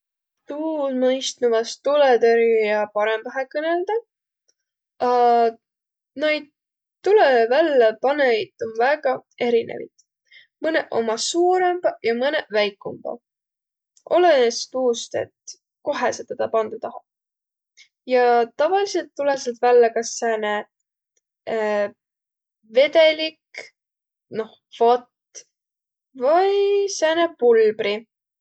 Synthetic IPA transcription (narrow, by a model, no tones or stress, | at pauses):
t̪uːmɤjst̪nuvɑst̪ːulet̪øɾijɑpɑɾemv̥ɑɦekɤne̞ld̪̥ɑ | ɑ | nejd̪̚ | t̪ːulevælːepɑneit̪onvæɡ̥ɑe̞ɾinʔḛvḭt̪ | mɤne̞ʔo̞̰mɑsuːɾemb̥ɑjɑmɤnevæjkːˑumb̥ɑ̰ | ʔo̞lenest̪uːst̪e̞̰t̪ | ko̞ɦeset̪ɑt̪ɑpɑnd̪̥ɑt̪ɑɦɑb̥̚ | jɑt̪ɑvɑlise̞lt̪ːuleselt̪vælːekɑsːæːne | ve̞d̪e̞lik | no̞h | fot̪ | vɑjsæːnepulbɾi